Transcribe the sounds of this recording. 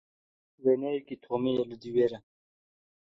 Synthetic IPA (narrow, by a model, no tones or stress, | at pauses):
wenejikit̪ʰomijɐlud̪iweːɾɐ